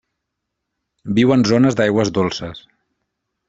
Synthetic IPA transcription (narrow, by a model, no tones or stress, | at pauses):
biwənzonəzd̪ajɣwəzd̪olˠsəs